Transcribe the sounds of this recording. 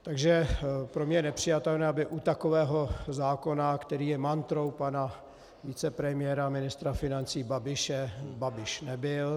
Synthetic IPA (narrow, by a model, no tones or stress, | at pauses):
t̪aɡʒɛpɾomɲɛjɛnɛpr̝̥ɪjat̪ɛlnɛːabɪʔut̪akovɛːɦo̞zaːko̞nakt̪ɛɾiːjɛmant̪ɾowpana | vit͡sɛpɾɛmɪjɛɾamɪnɪst̪ɾafɪnant͡siːbabɪʃɛbabɪʃnɛbɪl